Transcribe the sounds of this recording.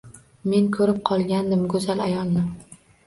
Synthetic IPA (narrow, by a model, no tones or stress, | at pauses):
me̞nkʰɵɾɪp̚qʰɒlˠɡʲand̪ɪmɡɵzalajɒlˠnɪ